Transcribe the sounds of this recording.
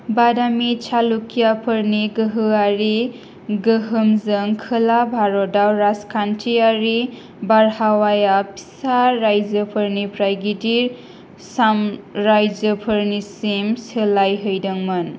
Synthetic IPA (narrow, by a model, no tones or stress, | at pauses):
badamit͡ʃʰalukijapʰɯɾniɡɯɦɯaɾi | ɡɯɦɯmzɯŋkʰɯlabʱaɾɔdawɾaskʰantʰiaɾi | baɾhawajapʰi̥saɾajzəpʰɯɾnipʰɾajɡidiɾ | samɾajd͡ʒəpʰɯɾnisimsɯlajɦɯjdɯŋmɯn